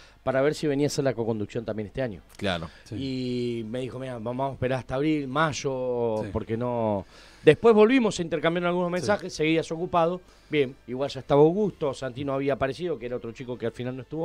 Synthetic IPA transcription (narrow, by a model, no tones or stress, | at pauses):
paɾaβeɾsiβe̞niaseɾlako̞ko̞nd̪uksjont̪ambje̞ne̞ht̪eaɲjo̞̰kla̰ɾo | ime̞ðixo̞miaβabamoe̥peɾaɾaht̪aβɾilmaʒopo̞ɾkeno | d̪e̞hpwe̞zβo̞lβimo̞seint̪e̞ɾkambjaɾnalɣunomens̬axesːeɣiaso̞kupað̞o̞ | bje̞miɣwalʒaeht̪aβaowɣust̪osant̪inoaβiaːpaɾe̞sið̞o̞keeɾaot̪ɾo̞t͡ʃiko̞kealfinalnoe̞st̪uβo